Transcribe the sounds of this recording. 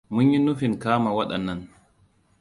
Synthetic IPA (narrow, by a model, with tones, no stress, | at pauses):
mʊ˦ɲji˦nu˦fɪ˨ŋkaː˦ma˨wa˦ɗɐ̰˨nːɐ˨n